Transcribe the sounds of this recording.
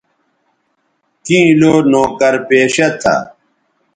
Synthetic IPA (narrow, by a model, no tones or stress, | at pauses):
t̪ĩiloːnoːkɐɾpeːɕɐt̪ʰɐ̰